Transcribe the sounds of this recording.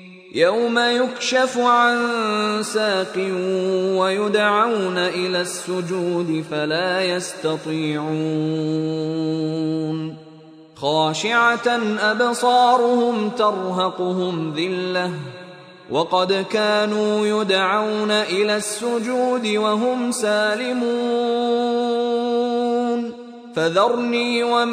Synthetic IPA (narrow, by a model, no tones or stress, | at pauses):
jawmajʊkʃafʊʕansaːqɪwajʊd̪ʕawnaʔɪlaːsːʊd͡ʒuːd̪ɪfalaːjast̪ɑt̪ˤiːʕuː | n | xɑːʃɪʕanʔabsˤɑːɾˤʊhʊmt̪ɑɾˤɦɑqʊhʊmðɪlːa | wʔɑqɑd̪kaːnuːjʊd̪ʕawnaʔɪlaːsːʊd͡ʒuːd̪ɪwaɦʊmsaːlɪmuː | n | faðɑɾˤniːwa